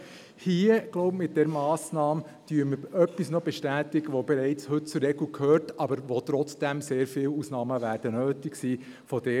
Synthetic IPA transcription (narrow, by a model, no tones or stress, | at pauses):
hiəɡ̥loʊbmɪt̚d̥ɛɾmɑːsnɑːm | d̥yːəməœpːisnɔbɛʃtæːtɪɡəʋobɛɾɛɪt͡shɵt̚t͡suɾːɛɡlukʰhøːɾtɑbəɾʋot̪ɾɔt͡sd̥ɛmseːɾfɪːluːsnɑːməʋæːɾd̥ənøːtɪksiː | fɔd̥ɛ